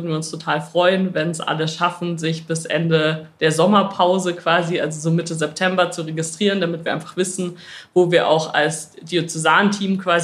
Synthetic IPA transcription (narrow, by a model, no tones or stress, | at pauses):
dn̩viːɐʊnstʰotʰaːlfʁ̥ɔʏənvɛnsʔa̰ləʃafn̩zɪçb̥ɪsʔɛ̰ndəd̥eːɐzɔmɐpʰaʊzəkv̥aːziʔalzozoːmɪtəzɛptʰɛmbɐt͡suʁeɡɪstʁ̥iːʁ̞əndamɪtv̥iːɐaɪnfḁχv̥ɪsn̩voːviːɐʔa̰ʊxa̰lsd̥iot͡sɛzaːntʰiːmkv̥aːz